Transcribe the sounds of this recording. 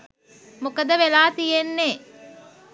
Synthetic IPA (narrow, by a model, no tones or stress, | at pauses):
mukɐd̪əʋelaːt̪ijenːeː